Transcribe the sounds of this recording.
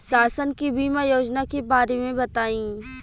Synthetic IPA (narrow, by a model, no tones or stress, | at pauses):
saːsənkibiːmajoːd͡ʒnakebaːɾemẽbɐt̪aːĩː